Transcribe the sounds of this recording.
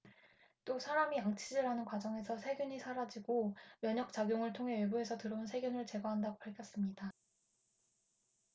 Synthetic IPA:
t͈osʰaɾamijaŋt͡ɕʰid͡ʑiɾanɯnkwad͡ʑʌŋe̞sʰʌsʰe̞ɡjuɲisʰaɾad͡ʑiɡomjʌɲʌk̚t͡ɕ͈aɡjoŋɯɭtʰoŋɦe̞webuɦe̞sʰʌtɯɾʌunsʰe̞ɡjunɯɭt͡ɕe̞ɡwaɦandaɡopaɭkʰjʌs͈ɯmɲida

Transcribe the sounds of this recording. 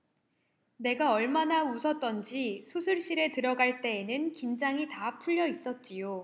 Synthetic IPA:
ne̞ɡaʌɭmanausʰʌt̚t͈ʌnd͡ʑisʰusʰuɭɕ͈iɾe̞tɯɾʌɡaɭt͈e̞ːnɯnkind͡ʑaŋitapʰuʎːʌis͈ʌt̚t͡ɕ͈ijo

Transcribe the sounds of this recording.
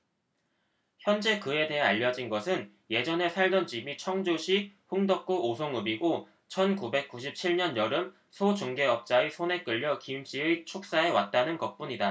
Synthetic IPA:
çjʌnd͡ʑe̞kɯe̞de̞ɦeaʎːʌd͡ʑinɡʌsʰɯn | je̞d͡ʑʌne̞sʰaɭdʌnd͡ʑimit͡ɕʰʌŋd͡ʑoɕʰiɸɯŋdʌk̚k͈uosʰoŋɯbiɡo | t͡ɕʰʌnkube̞k̚k͈uɕ̬ʰip̚t͡ɕʰiɭɲʌnjʌɾɯm | sʰod͡ʑoŋɡe̞ʌp̚t͡ɕ͈aisʰone̞k͈ɯʎːʌkimɕ͈iɯt͡ɕʰok̚s͈ae̞wat̚t͈anɯnkʌp͈uɲida

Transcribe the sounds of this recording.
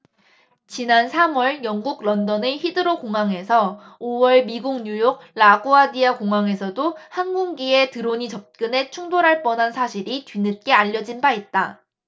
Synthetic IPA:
t͡ɕinansʰamwʌɭjʌŋɡuɡɾʌndʌneçidɯɾokoŋɦaŋe̞sʰʌ | owʌɭmiɡuŋɲujoɡ̚ɭaɡoadiakoŋɦaŋe̞sʰʌdohanɡuŋɡie̞tɯɾoɲit͡ɕʌp̚k͈ɯne̞t͡ɕʰuŋdoɾaɭp͈ʌnɦansʰaɕʰiɾitɥinɯt̚k͈e̞aʎːʌd͡ʑinbait̚t͈a̰

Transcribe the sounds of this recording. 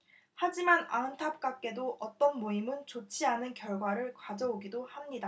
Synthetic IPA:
had͡ʑimanaɯntʰap̚k͈ak͈e̞doʔʌt͈ʌnmoimɯnt͡ɕot͡ɕʰianɯnkjʌɭɡwaɾɯɭkwad͡ʑʌoɡidohamɲida

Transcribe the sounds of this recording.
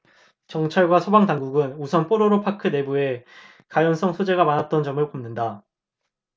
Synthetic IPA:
t͡ɕʌŋt͡ɕʰaɭɡwasʰobaŋdaŋɡuɡɯnusʰʌnpʰoɾoɾopʰakʰɯne̞bue̞ | kajʌns͈ʰʌŋsʰod͡ʑe̞ɡamanat̚t͈ʌnd͡ʑʌmɯɭpomnɯnda

